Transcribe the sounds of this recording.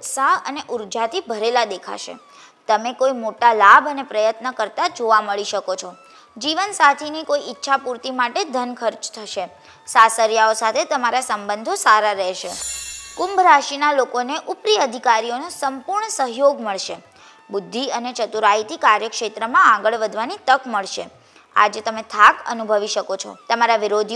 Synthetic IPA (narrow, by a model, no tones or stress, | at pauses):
t̪saəneʔuɾd͡ʒat̪ʰibʱəɾelad̪ekʰa̰ʃḛ | t̪əmekoimoʈalabənepɾəjət̪nəkəɾt̪ad͡ʒoʋaməɭiʃəkot͡ʃʰɔ | d͡ʒiʋənsat̪ʰinikoiitːʃʰapuɾt̪imaʈed̪ʱənkʰəɾt͡ʃt̪ʰəʃe | sasəɾjaosat̪ʰet̪əmaɾasəmbə̃nd̪ʱosaɾaɾɛɦʃḛkʊmbɾaʃinalokoneʔupɾiəd̪ʱikaɾijonosəmpuɾɳəsəɦjoɡməɭʃe | bʊd̪ʱːiənet͡ʃət̪uɾait̪ikaɾjəkʃet̪ɾəmããɡəɭʋəd̪ʱʋanit̪əkməɭʃe | a̰d͡ʒet̪əmet̪ʰakə̰nubʱəʋiʃəkot͡ʃʰɔ̰t̪əmaɾaʋiɾod̪ʱ